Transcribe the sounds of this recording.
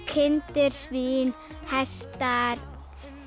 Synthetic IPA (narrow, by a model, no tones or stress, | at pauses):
kʰɪnt̪ɪɾ̥svin | hɛst̪aɾ